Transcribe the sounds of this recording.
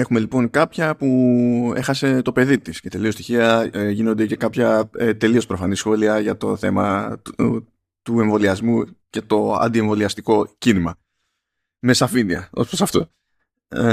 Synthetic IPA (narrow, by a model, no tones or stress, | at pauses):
e̞xume̞lipo̞ŋkɐpçɐpue̞̰xɐse̞t̪o̞pe̞ðit̪isce̞t̪e̞lio̞st̪içiɐʝino̞nd̪ece̞kɐpçɐt̪e̞lio̞spɾo̞fɐnisxo̞liɐʝɐt̪o̞θe̞mɐ | t̪ue̞ɱvo̞liɐzmuce̞t̪o̞ɐ̰nd̪ie̞ɱvo̞liɐst̪iko̞cinimɐ | me̞sɐfiniɐ̰o̞̰sposɐft̪o̞̰